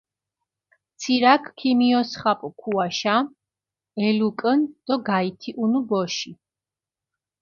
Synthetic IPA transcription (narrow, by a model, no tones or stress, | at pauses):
t̪sʰiɾakʰkʰːimiɔsχapʼukʰuaʃa | ɛlukʼənd̪̥ɔɡait̪ʰiʔunubɔʃi